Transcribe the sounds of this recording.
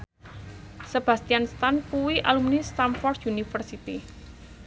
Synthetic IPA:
səb̥ä̤st̪ianst̪anpuwiʔalumnist̪amfɔrd̪junifərsit̪i

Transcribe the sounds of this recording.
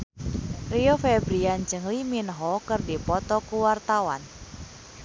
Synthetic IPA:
riofɛbɾiand͡ʒɨŋliminɦɔkɨrdipɔt̪ɔkuwart̪awa̰n

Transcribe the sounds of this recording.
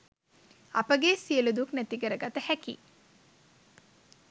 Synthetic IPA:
ɐ̰pəɡesijəlud̪uknæt̪iɡəɾəɡat̪əhækḭ

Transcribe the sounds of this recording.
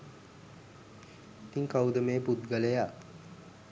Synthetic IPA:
it̪iŋkawud̪əmeːput̪ɡələja

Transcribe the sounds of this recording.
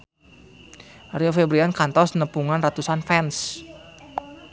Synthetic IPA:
riofebɾiankant̪ɔsnəpuŋanrat̪usanfɛns

